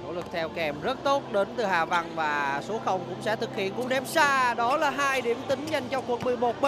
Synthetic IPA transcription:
no̰˧˩lɨ˨˩k̚t̪ʰɛ˧wkɛ˨˩mzə˦˥t̚t̪o˦˥t̚ɗe˨˦nt̪ɨ˨˩haː˨˩va˧nvaː˨˩so˨˦xə˧˩wŋ͡mkʊ̰˧˥ŋ͡msɛ̰˧˥t̪ʰɨ˨˩k̚hḭ˧˨ənkʊ̰˧˥nɛ˨˦msaː˧ɗɔ˨˦laː˨˩ɦaː˧jɗi˧˩əmt̪ï˨˦ŋ̟za˨˩jŋt͡ɕɔ˧ku˨˩ək̚ɓɨ˨əmo˨˩t̚ɓe˧

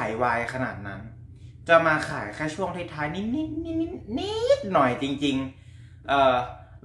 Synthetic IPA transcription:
jwaː˧jkʰa˧na̰ː˨˩t̪̚na˦˥n | t͡ɕa˨˩maː˧xʰaː˨˩˦jkʰaː˥˩jt͡ɕʰu˥˩əŋt̪ʰiː˦˥˩t̪ʰːaː˧jni˦˥t̪̚ni˦˥t̪̚ni˦˥ni˦˥ni˦˥t̪̚nɔ˨˩jt͡ɕi˧ŋt͡ɕi˧ŋ | ʔɤː˨˩

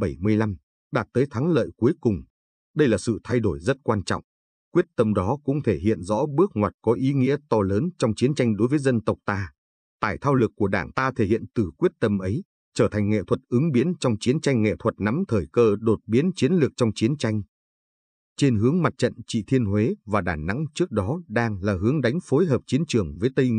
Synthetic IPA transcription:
ɓə˧˩jmɨ˧əjla˧m | ɗaː˨˩t̚t̪əː˨˦jt̪ʰa˨˦ŋlə̰ː˧˨jku˨˦jkʊ˨˩ŋ͡m | ɗə˧jlaː˨˩sɨ̰˧˨t̪ʰa˧jɗo˧˩jzə˦˥t̚kwaː˧nt͡ɕɔ̰˧˨wŋ͡m | kwi˦˥ət̚t̪ə˧mɗɔ˨˦kʊ̰˧˥ŋ͡mt̪ʰe˧˩ɦḭ˧˨ənzɔ̰˧˥ɓɨ˦˥ək̚ŋwaː˨˩t̚kɔ˨˦ʔi˨˦ŋḭ˧˥ət̪ɔ˧ləː˨˦nt͡ɕɔ˧wŋ͡mt͡ɕi˨˦ənt͡ɕa˧jŋ̟ɗo˨˦jvəː˨˦jzə˧nt̪ə˨˩wk͡p̚t̪aː˧ | t̪aː˧˩jt̪ʰaː˧wlɨ˨˩kːu˧˩əɗaː˧˩ŋt̪aː˧t̪ʰe˧˩hḭ˧˨ənt̪ɨ˨˩kwi˦˥ət̚t̪ə˧mʔə˨˦j | t͡ɕəː˧˩t̪ʰa˨˩jŋ̟ŋḛ˧˨t̪ʰwə˨˩t̚ʔɨ˨˦ŋɓi˨˦ənt͡ɕɔ˧wŋ͡mt͡ɕi˨˦ənt͡ɕa˧jŋ̟ŋḛ˧˨t̪ʰwə˨˩t̚na˨˦mt̪ʰəː˧˩jkəː˧ɗo˨˩t̚ɓi˨˦ənt͡ɕi˨˦ənlɨ˨˩ək̚t͡ɕɔ˧wŋ͡mt͡ɕi˨˦ənt͡ɕa˧jŋ̟ | t͡ɕe˧nɦɨ˨˦əŋma˨˩t̚t͡ɕə̰˧˨nt͡ɕḭ˧˨t̪ʰi˧ənhwe˨˦vaː˨˩ɗaː˧˩na̰˧˥ŋt͡ɕɨ˦˥ək̚ɗɔ˨˦ɗaː˧ŋlaː˨˩ɦɨ˨˦əŋɗa˨˦jŋ̟fo˨˦jɦəː˨˩p̚t͡ɕi˨˦ənt͡ɕɨ˧˩əŋvəː˨˦jt̪ə˧

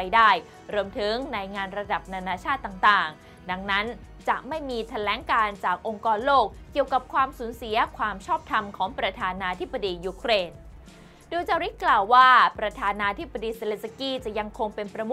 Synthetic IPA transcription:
a˧jdaː˥˩j | ɾu˧əmt̪ʰɯ˩˦ŋna˧jŋaː˧nɾa˧da˨˩p̚na˧naː˧t͡ɕʰaː˥˩t̪ːaː˨˩ŋt̪aː˨˩ŋ | da˧ŋna˦˥n | t͡ɕa˨˩ʔma˥˩jmiː˧t̪ʰa˧lɛː˩˦ŋkaː˧nt͡ɕaː˨˩k̚ʔo˧ŋkɔː˧nloː˥˩k̚ki˨˩əwka˨˩p̚kʰwaː˧msuː˨˩˦nsi˩˦ɐkʰwaː˧mt͡ɕʰɔː˥˩p̚t̪ʰa˧mkʰɔː˩˦ŋpɾa˧t̪ʰaː˧naː˧t̪ʰi˦˥b̚ːa˧diː˧juː˧kʰɾeː˧n | duː˧t͡ɕaː˧ɾi˦˥t̪̚klaː˨˩wːaː˥˩pɾa˧t̪ʰaː˧naː˧t̪ʰi˦˥p̚ːa˧diː˧se˧le˦˧nsa˧kiː˥˩t͡ɕa˨˩ja˧ŋkʰo˧ŋpe˧npɾa˧m˦˥

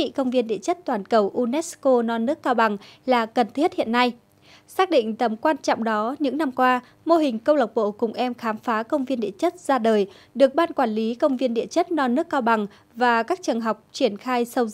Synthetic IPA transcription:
ḭ˧˨kə˧wŋ͡mvi˧ənɗḭ˧˨ət͡ɕə˦˥t̚t̪waː˧˩nkə˧˩wʔu˧nɛ˦˥tsko˧nɔ˧nːɨ˦˥əkːaː˧wɓa˨˩ŋlaː˨˩kə˨˩nt̪ʰi˦˥ət̚hḭ˧˨ənːa˧j | saː˦˥k̚ɗḭ̈˧˨ŋ̟t̪ə˨˩mkwaː˧nt͡ɕɔ̰˧˨wŋ͡mɗɔ˨˦ɲɨ̰˧˥ŋna˧mkwaː˧ | mo˧ɦï˨˩ŋ̟kə˧wla˨˩wk͡p̚ɓo̰˧˨kʊ˨˩ŋ͡mʔɛ˧mxaː˨˦mfaː˨˦kə˧wŋ͡mvi˧ənɗḭ˧˨ət͡ɕə˦˥t̚zaː˧ɗəː˨˩j | ɗɨ˨˩ək̚ɓaː˧nkwaː˧˩nli˨˦kə˧wŋ͡mvi˧ənɗḭ˧˨ət͡ɕə˦˥t̚nɔ˧nːɨ˦˥əkːaː˧wɓa˨˩ŋ | vaː˨˩kaː˦˥k̚t͡ɕɨ˨˩əŋɦa˨˩wk͡p̚t͡ɕi˧˩ənxaː˧jsə˧w

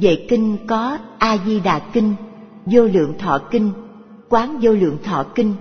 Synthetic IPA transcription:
vḛ˧˨kï˧ŋ̟kɔ˨˦ʔaː˧zi˧ɗa̰ː˨˩kï˧ŋ | zo˧lɨ̰˧˨əŋt̪ʰɔ̰˧˨ki˧ŋ̟ | kwaː˨˦nzo˧lɨ̰˧˨əŋt̪ʰwɔ̰˧˨kï˧ŋ̟

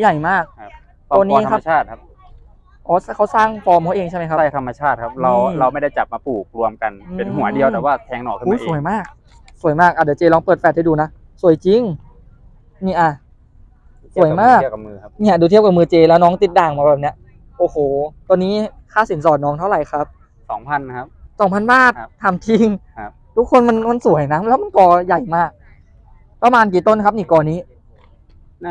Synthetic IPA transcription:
ja˨˩jmaː˥˩k̚ | ɔ˧ni˧˦kʰa˦˧aː˥˩t̪̚ʰ | ʔɔː˨˦skʰa˧˥˩wsaː˥˩ŋfɔː˧mɔː˧˦ʔeː˧ŋt͡ɕa˥˩jma˦˥kʰa˦˥˧t̪ʰmːa˧t͡ɕʰaː˥˩t̪̚kʰa˦˧˥p̚ɾa˧wɾa˧wma˥˩jda˥˩jt͡ɕa˨˩p̚maː˧puː˨˩k̚ɾu˧əmka˧nːe˧nɦu˨˩˦ɐdi˧əwt̪ɛː˨˩waː˥˩t̪ʰɛː˧ŋnɔ̰ː˨˩kʰɯː˧˩˧a˧˦˧ʔsu˨˩əjmaː˥˩k̚ | su˨˩˦əjmaː˥˩k̚ʔaː˨˩daː˧˩t͡ɕeː˧lɔː˧ŋpɤː˨˩t̪̚fɛː˧˩ha˥˩jduː˧na˦˥ | su˨˩əjt͡ɕi˧ŋ | niː˧˩ʔa˧ | su˨˩˦jmaː˥˩kkmɯː˧˦ni˧˥˩ɐ˨duː˧t̪ʰi˥˩wka˨˩mɯː˧t͡ɕeː˧lɛː˦˥wnɔː˦˥ŋt̪i˧˦t̪̚daː˧˩ŋmaː˧˩bɛː˨˩ni˦˥ɐ | ʔoː˧˩hoː˨˩t̪niː˦˥ | kʰaː˧˩si˨˩˦nsɔː˨˩t̪̚nɔː˦˥ŋt̪ʰa˥˩wɾa˨˩jkʰa˦˥p̚ | sɔ̰ː˩˦ŋpʰa˧n˦˥sɔː˨˦mpʰa˧˥˨nbaː˥˩t̪ʰːaː˧mt̪ʰi˧ŋ | t̪ʰu˦˥kʰːo˧nma˧nma˧nsu˨˩˦əjnaː˦˥mlɛː˦˥wma˧nkɔː˧ja˨˩jmaː˥˩k̚ | pa˧maː˧nk̬iː˨˩t̪o˥˩˨nː˧ka˦˧p̚niː˧˩kɔː˧˩niː˦˥

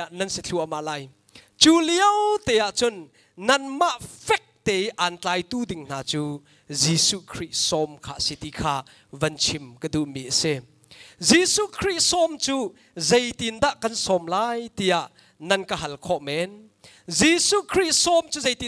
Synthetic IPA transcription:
aʔnɐnsit͡ɬʰu˧ʔama˧ʔlaː˧j | t͡su˦liəwt̪ɛ˨ja˨ʔt͡sʊnː | ɐnma˦ʔfɛ˦k̚t̪ɛ˨jʔa˨nt͡ɬaː˧jt̪u˦di˨ŋn̥aː˨t͡suː˦ | zi˧su˦kʰɾi˥sɔ˧mkʰa̰ː˨si˨t̪i˧kʰaː˧ | vɐnt͡sʰimkəd̪u˨ʔmi˨ʔsɛ˧ | zi˨su˦kʰɾi˥tsɔ˧mt͡su˦ | ze˧jt̪i˨nd̪a˦ʔkɐ˨nsɔ˨mlaː˦jt̪i˧ja˧ʔ | nɐ˧nkɐɦɐ˨lkʰɔ˦˨ʔmɛ˧n | zi˨su˦kʰɾi˦t̪sɔ˧mt͡suː˦ze˦jt̪i

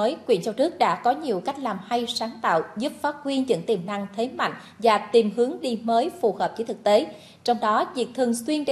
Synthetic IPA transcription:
əː˨˦jkwḭ˧˩ənt͡ɕɔ˧wnɨ˦˥ək̚ɗa̰ː˧˥kɔ˨˦ɲi˨˩əwka˦˥jk̟̚laː˨˩mha˧jsaː˨˦ŋt̪a̰ː˧˨wzu˦˥p̚faː˦˥t̚hwi˧ənzɨ̰˧˥ŋt̪i˨˩mna˧ŋt̪ʰe˨˦ma̰˧˨jŋ̟ | vaː˨˩t̪i˨˩mhɨ˨˦əŋɗi˧məː˨˦jfu˨˩həː˨˩p̚t͡ɕi˨˦t̪ɨ˨˩k̚t̪e˨˦ | t͡ɕɔ˧wŋ͡mɗɔ˨˦vi˨˩ək̚t̪ʰɨ˨˩ənswi˧ənt͡ɕe˧

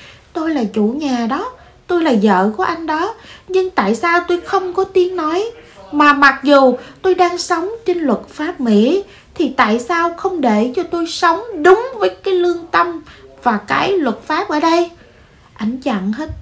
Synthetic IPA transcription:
t̪o˧jlaː˨˩t͡ɕṵ˧˩ɲaː˨˩ɗɔ˨˦ | t̪o˧jlaː˨˩zə̰ː˧˨ku˧˩ʔa˧jŋ̟ɗɔ˨˦ɲɨ˧ŋt̪a̰ː˧˨jsaː˧wt̪o˧jxə˧wŋ͡mkɔ˨˦t̪i˨˦ənnɔ˨˦j | maː˨˩ma˨˩t̚zu˨˩t̪o˧jɗaː˧ŋsə˨˦wŋ͡mt͡ɕe˧nlwə˨˩t̚faː˦˥p̚mḭ˧˥ | t̪ʰi˨˩t̪a̰ː˧˨jsaː˧wxə˧wŋ͡mɗe˧˩t͡ɕɔ˧t̪o˧jsə˨˦wŋ͡mɗʊ˨˦ŋ͡mvəː˨˦jkaː˨˦jlɨ˧əŋt̪ə˧mvaː˨˩kaː˨˦jlwə˨˩t̚faː˦˥p̚ʔəː˧˩ɗə˧j | ʔa˨˩˦jŋ̟t͡ɕa̰˧˨nɦe˦˥t̚

